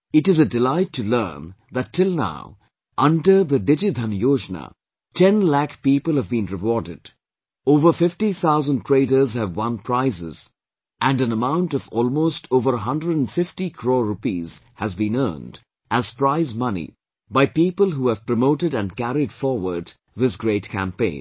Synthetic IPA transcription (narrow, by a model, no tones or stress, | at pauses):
ɨtɨzədɪlaɪtʰːulɜ̰̃ːnðætʰːɪlˠna̰ʊ | ʔʌ̃ndə˞ðədɪd͡ʒid̪ʱʌ̃njoːd͡ʒnə̰ | tʰɛ̃nlækpiːpəlˠhəvbĩnɹɨwɔɹdɪd | oʊvə˞fɪftiθʰaʊzə̃n̚tʰɹ̥eɪɾə˞zhɨvwʌ̃npʰɹ̥aɪzɪ̰z | ʔæ̃nɨ̃nəmãʊ̃ntʌvɔːlˠmoʊstʰoːvəɾɦʌ̃ndɹədə̃nfɪftikʰɹoːɹupiːz̥ | hæzbĩnɜ̰˞nd | ʔæz̥pɹaɪzmʌnḭ | baɪpiːpəlˠɦuːæv̥pɹəmoʊɾɨɾɨ̃nkæɾidfɔɹwə˞d | ðɪsɡɹeɪtkʰæ̰̃mpḛ̃ɪ̃n